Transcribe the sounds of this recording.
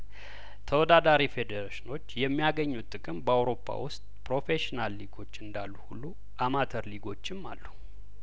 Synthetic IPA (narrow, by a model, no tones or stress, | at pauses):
t̪ʰəwɔd̪ad̪aɾife̞d̪əɾaʃɪno̞t͡ʃːjɛmːijaɡəɲːut̪ʼːɨkʼɨmbəawɾo̞pʰːa̰wʊst̪ʼpɾo̞fe̞ʃinalːiɡo̞t͡ʃːɨnd̪alːuhulːu | ʔamat̪ʰəɾliɡo̞t͡ʃːɪmːa̰lːu